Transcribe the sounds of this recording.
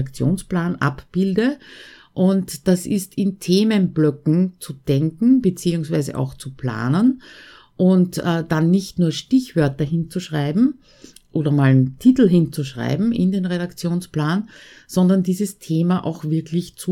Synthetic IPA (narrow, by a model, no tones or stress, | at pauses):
akt͡sjo̰ːnsplaːnʔa̰pb̥ɪldə | ʔʊntd̥asɪstʰɪntʰeːmənblœkŋ̩t͡sud̥ɛŋkŋ̩b̥et͡siːʊŋsvæɪzə̰ʔa̰ʊxt͡supla̰ːnən | ʔʊntʔɛːd̥anːɪçtnuːɐʃtɪçv̥œɐtɐɦɪnt͡suʃʁaɪbm̩ | ʔoːdɐmaːlntʰitl̩ɦɪnt͡suʃʁ̥a̰ɪbm̩ɪ̰ndeːnʁeɾakt͡sjoːnsplaːn | z̥ɔndɐndiːzəstʰeːmaʔa̰ʊxv̥ɪɐklɪçt͡su